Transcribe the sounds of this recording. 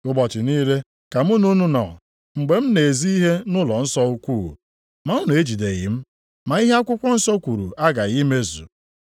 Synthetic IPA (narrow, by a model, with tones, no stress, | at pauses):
ʊ˦bɔ˨t͡ʃɪ˨niː˦ɾe˦ | ka˨m̩˦u˦nu˦nu˦nɔ̰˨ | ŋ͡m̩˨ɡ͡be˨m̩˦ne˨zi˦i˦ɦe˦nʊ˦lɔ˨n̩˦sɔ˦u˦kʷu˦˨ | ma˨ʊ˦nʊ˨e˦d͡ʒi˨de˨ɣɪ̰˨m̩˦ | ma˨i˦ɦe˦a˦kʷʊ˦kʷɔ˦n̩˦sɔ˦kʷu˨ɾṵ˨a˦ɡa˨ɣi˦me˦zṵ˨